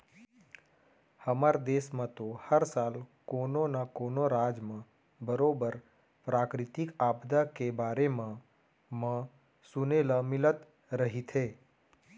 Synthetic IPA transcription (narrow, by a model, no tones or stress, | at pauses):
həmaɾd̪eːsmə̃t̪ohəɾsaːlkoːnonakoːnoɾaːd͡ʒmã | bəɾoːbəɾ | pɾaːkɾɪt̪ɪkaːbd̪akebaːɾemã | mə̃ | sʊnelamɪlət̪ | ɾəɦit̪ʰɦeː